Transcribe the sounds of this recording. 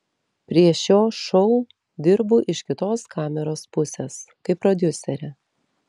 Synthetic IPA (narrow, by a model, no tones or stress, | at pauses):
pʲɾʲiɛʃʲjoːʃɔʊ | d̪ʲɪɾbʊʔɪʃkʲɪt̪oːskʰɑːmʲɛɾoːspʊsʲeːskɐɪpːɾɔd̪ʲʊsʲɛɾʲɛ